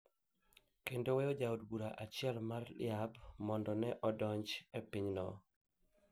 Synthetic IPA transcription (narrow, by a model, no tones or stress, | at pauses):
kendowɛod͡ʒaudbuɾaʔat͡ʃɪɛlmarlɪ̰abmɔndɔnɛʔɔdɔɲt͡ʃepiɲnɔ